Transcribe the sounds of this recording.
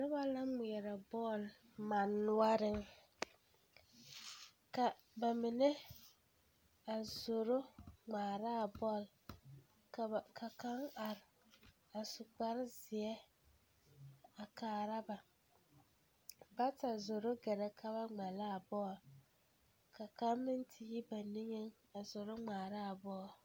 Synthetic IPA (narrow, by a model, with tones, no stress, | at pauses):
nɪ˦ba˦la˦mʊ˨ɛ˨ɾa˨bɔː˦˨l | ma˨nːʊ˦a˦ɾɪ˦ŋ | ka˨ | ba˨mɪ˨nɛ˦ | a˨zo˨ɾo˦ŋ͡maː˨ɾaː˦˨bɔː˦˨l | kkʰa˨ka˦ŋa˨ɾɪ˨ | a˨sʊ˨k͡pa˦ɾɪ˦zɪ˨ɛ˦ | a˨kaː˨ɾa˦ba˨ | ba˦ta˨zo˨ɾo˦ɡɛ˨ɾɛ˨kʰa˦ba˦ŋ͡ma˨laː˦˨bɔː˦˨l | ka˨ka˦mmɪ˦ntʰɪ˨ji˦ba˨nɪ˦ŋe˦ŋ | a˨zʊ˨ɾʊ˦ŋ͡maː˨ɾa˦˨bɔː˦˨l